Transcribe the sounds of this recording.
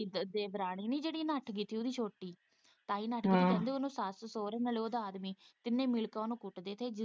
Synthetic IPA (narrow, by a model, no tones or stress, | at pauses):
d̪eːʋɾaːɽ̃iːnĩːd͡ʒeːɽiːnəʈʰɡiːt̪ʰːiːʊd̪iːt͡ʃʰoːʈːiː | t̪aːiːnaʈʰkit̪ʰːiɛ̃ːnd̪eːonũːsaːssoːɾeːnəleoːd̪aaːd̪miːt̪ɪnːẽːmɪlkãnũːkʊʈd̪eːt̪ʰeːd͡ʒɪ